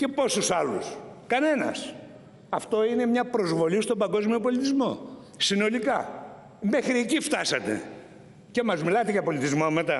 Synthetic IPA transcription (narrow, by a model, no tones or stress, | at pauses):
ce̞po̞susɐlṵskɐne̞nɐ̰s | ɐft̪o̞ine̞mɲɐpɾo̞zvo̞list̪ombɐŋɡo̞zmio̞po̞lit̪izmo̞ | sino̞likɐ | mexɾiecift̪ɐsɐt̪e̞̰ | ce̞mɐzmilɐt̪eʝɐpo̞lit̪izmomet̪ɐ